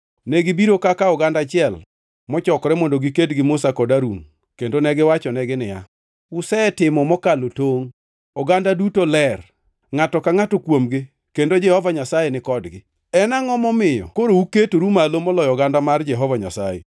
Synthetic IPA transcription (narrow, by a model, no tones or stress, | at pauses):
nɛɡɪbiɾokakaɔɡandat͡ʃɪɛl | mɔt͡ʃɔkɔɾɛmɔndoɡikedɡɪmosakɔdaɾuŋ | kendonɛɡɪwat͡ʃɔnɛɡɪnɪja̰ | ʊsɛtɪmɔmɔkalotoŋ | ɔɡandadutolɛr | ŋatɔkaŋatokwomɡɪ | kendod͡ʒɛhɔvaɲasajenɪkɔdɡɪ | ɛnaŋɔmɔmɪjɔ̰koɾouketoɾumalomɔlɔjɔɡandamard͡ʒɛɦɔvaɲa̰sajḛ